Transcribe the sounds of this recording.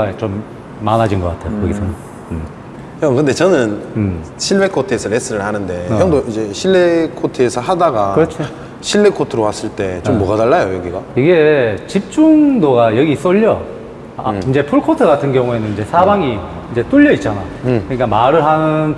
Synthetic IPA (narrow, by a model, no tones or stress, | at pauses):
aet͡ɕomː | anad͡ʑinɡʌk͈atʰe̞jokʌɡisʰʌnʌ | ɯ | jʌkɯnde̞t͡ɕʌnɯnɕʰiɭwe̞kʰotʰɯesʰʌɾes͈ɯɾɯɭhanɯnde̞jʌŋdoid͡ʑe̞ɕʰiɭːekʰotʰɯesʰʌɦadaɡakɯɾʌt͡ɕʰo | ɕʰiɭːekʰotʰɯɾowas͈ɯɭt͈e̞t͡ɕomːʌɡadaɭːajojʌɡiɡaiɡe̞t͡ɕip̚t͡ɕ͈uŋdoɡajʌɡis͈ʌʎːʌ | ind͡ʑe̞pʰuɭkʰotʰɯɡatʰɯnɡjʌŋue̞nɯnid͡ʑe̞sʰabaŋi | ind͡ʑe̞t͈uʎːʌit̚t͡ɕ͈anajokɯɲik͈amaɾɯɭɦanɯn